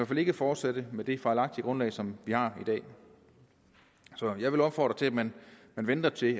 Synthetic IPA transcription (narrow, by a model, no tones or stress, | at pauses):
æɐfæle̝ɡ̥fɒːd̥sed̥əmed̥e̝fɑ̈ɪlɑ̈ɡ̥̚d̥iəɡ̥ʁɔ̽nlɛ̰ɪsɒ̽mʋihɑ̈id̥ɛ̰ː | sɒ̽jɑ̈ɪʋe̝lɒ̽b̥fɒ̰ːd̥ʁɐt͡sʰe̝æ̥mænmænʋend̥ɐt͡sʰe̝